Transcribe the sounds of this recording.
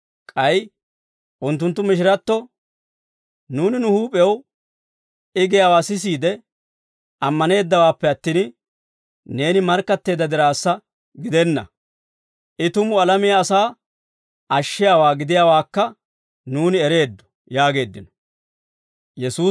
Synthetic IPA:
kʼɐj | ʔʊnt̪̬ːʊnt̪ːʊmɪʃ̬ɪɾɐt̪ːɔ | nuːnɪnʊhuːpʼɛw | ɪɡɪjaːwaːsɪs̬iːd̪ɛ | ʔɐmːɐne̞ːd̪ːɐwaːpːɛɐt̪ːiːn | ne̞ːnɪmɐɾkːɐt̪ːe̞ːd̪ːɐd̪ɪɾaːsːɐ | ɡɪd̪ɛnːɐ̰ | ʔɪt̪ʊmʊɐlɐmɪjaːsaː | ʔɐʃːɪjaːwaːɡɪd̪ɪjaːwaːkːɐ | nuːnɪɛɾe̞ːd̪ːɔ̥ | jaːɡe̞ːd̪ːɪnɔ̥ | jɛsuː

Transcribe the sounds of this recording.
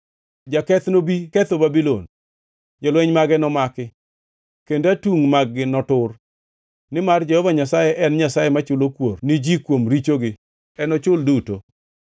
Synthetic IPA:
d͡ʒakɛt̪nobikɛt̪obabilo̰n | ɲɔlwɛɲmaɡɛnɔmakɪ | kendatuŋmaɡɡɪnɔtʊr | nɪmard͡ʒehɔvaɲasajɛʔɛnɲasajemat͡ʃʊlokwornɪd͡ʒikwomɾit͡ʃoɡɪ | ɛnɔt͡ʃʊlduto

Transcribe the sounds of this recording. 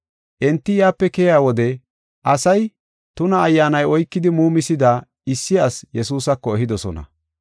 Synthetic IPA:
ʔɛnt̪ːɪjaːpːɛkɛjaːwɔd̪ɛ | ʔɐsɐj | t̪ʊnɐːjːaːnɐjɔjkːɪd̪ɪmuːmɪsɪd̪aː | ɪsːɪɐsjɛsuːsɐkːɔɛɦɪd̪ɔsɔ̰nɐ̰

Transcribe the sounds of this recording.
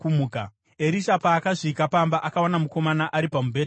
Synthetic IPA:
umuːka | e̞ɾiʃapaːkaʐikapambaʔakawanamuko̞manaʔaɾipamubʱe̞ːt

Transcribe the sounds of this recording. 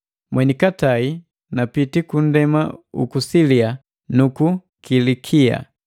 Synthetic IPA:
mwɛnikatai | napitikun̩dɛmaṵkusilia | nuku | kilikʰia̰

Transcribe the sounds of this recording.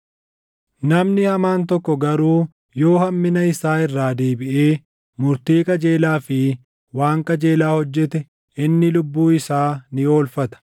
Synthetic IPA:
nɐmnɪhɐmaːnt̪ɔkːɔɡɐɾuː | jo̞ːhɐmːɪnɐɪsaːɪrːaːd̪e̞ːbɪʔeː | mʊɾt̪iːkʼɐd͡ʒe̞ːlaːfɪ | waːŋkʼɐd͡ʒe̞ːlaːhɔd͡ʒːɛt̪ɛ | ɪnːɪlʊbːuːɪsaːnɪo̞ːlfɐt̪ɐ̥

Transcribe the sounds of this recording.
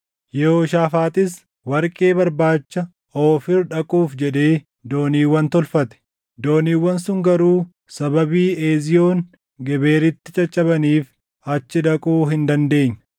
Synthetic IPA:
jɛhoːʃaːfaːt̪ɪs | wɐɾkʼe̞ːbɐɾbaːt͡ʃːɐ | oːfɪɾᶑɐkʼuːfd͡ʒɛᶑ̪e̞ː | d̪o̞ːniːwːɐnt̪ɔlfɐt̪ɛ̥ | d̪o̞ːniːwːɐnsʊŋɡɐɾuː | sɐbɐbiːeːzɪjoːŋ | ɡɛbe̞ːɾɪt̪ːɪt͡ʃʼɐt͡ʃʼːɐβɐniːf | ɐt͡ʃːɪᶑ̪ɐkʼuːɦɪnd̪ɐnd̪e̞ːɲːɐ̥

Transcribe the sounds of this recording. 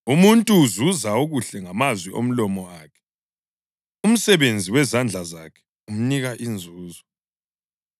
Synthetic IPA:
umuntʼuːzuzauɣuɬɛŋamazwiʔo̰m̩lɔmɔaːkʰɛ̥ | um̩sɛβend͡zʱiwɛzand͡ɮʱazakʰɛ̥ | um̩niɣaʔind͡zʱuːzɔ

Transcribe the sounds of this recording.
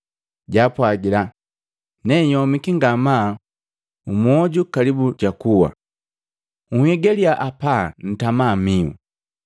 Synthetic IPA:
ɟapwaɡila | nɛjɔmikiŋɡama | umwɔɟukalibuɟakuwa̰ | uhɛɡɛliaʔapan̩tamamiṵ

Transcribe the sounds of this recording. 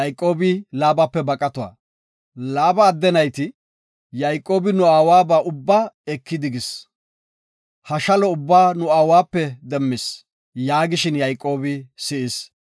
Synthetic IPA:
jkʼːo̞ːbɪlaːbapːɛbɐkʼɐt̪ɔwa̰ː | laːbɐːd̪ːɛnɐjt̪ɪ | jɐjkʼːo̞ːbɪnʊaːwaːbaːʔʊbːaːɛkːɪd̪ɪɡɪs | hɐʃɐlɔʊbːaːnʊaːwaːpːɛd̪ɛmːɪs | jaːɡɪʃɪnjɐjkʼːo̞ːbɪsɪʔɪs

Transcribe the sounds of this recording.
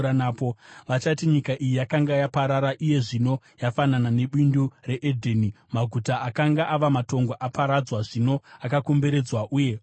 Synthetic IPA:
anaːpoʋat͡ʃatiɲikaʔijijakaŋɡajapaɾaɾaʔije̞ʐino̞ | jafananane̞ɓindure̞ʔedʱeni | maɡʱutaakaŋɡaʔaʋamato̞ŋɡoʔapaɾad͡zwaʐino̞akako̞mbe̞ɾe̞d͡zwaʔuːje̞

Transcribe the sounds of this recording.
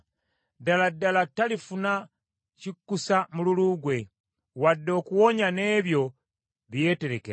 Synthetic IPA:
daladalatalifuna | cikːusamululuɡwe | wadːo̞kuwoɲaneːβjo̞ | βjeteɾeke

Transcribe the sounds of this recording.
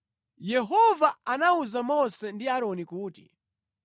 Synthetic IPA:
jɛɦɔvaanauzamɔsɛndiaɾɔnikuːtḭ

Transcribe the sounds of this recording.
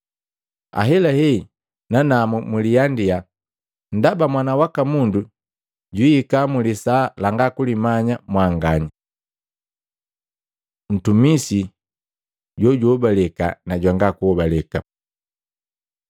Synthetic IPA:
a̰ɦɛlahɛi | nanamumulijandia | n̩dabamwanawakamundu | ɟwiːkamulisalaŋɡakulimaɲamwaŋɡaɲa | n̩tumisi | ɟɔɟɔbalɛka̰naɟwaŋɡakuɔbalɛka

